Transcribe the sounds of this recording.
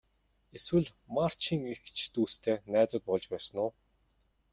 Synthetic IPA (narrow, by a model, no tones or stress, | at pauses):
eswɘ̆ɮmar̥t͡ɕiːŋixt͡ɕʰt̪uːst̪ʰeːnæːt͡sʊ̆ːt̪̚pɔɮt͡ɕpæːsə̆nʊː